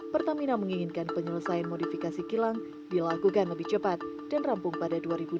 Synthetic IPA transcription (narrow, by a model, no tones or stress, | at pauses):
pərt̪aminaməŋiŋɪnkanpəɲələsajanmodifikasikilaŋ | dilaɡukanləbɪht͡ʃəpat̪̚ | d̥anrampʊŋpadaduaɾibu